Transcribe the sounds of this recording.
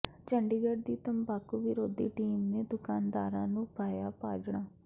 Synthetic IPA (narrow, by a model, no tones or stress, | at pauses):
t͡ʃəɳɖiːɡəɖd̪iːt̪əmbaːkuːʋɪɾoːd̪ḭːʈiːmneːd̪ʊkaːnd̪aːɾãːnũːpaːjaːpaːd͡ʒɳaː